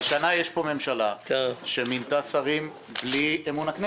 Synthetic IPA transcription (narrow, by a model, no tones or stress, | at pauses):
ʃanajeʃpo̞me̞mʃalaaʃemint̪asaʁim | bliemunakne